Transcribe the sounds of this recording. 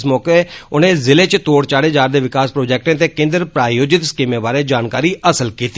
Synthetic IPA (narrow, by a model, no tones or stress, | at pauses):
smɔːkeʊnẽːzɪleːt͡ʃt̪oːɽt͡ʃaːɽeːd͡ʒaːɾd̪eːʋɪkaːspɾoːd͡ʒɛːk̚ʈẽːt̪eːkɪ̃nd̪əɾpɾaːjoːd͡ʒɪt̪skimẽːbaːɾeːd͡ʒaːnkaːɾiːʔəsəlkiːt̪i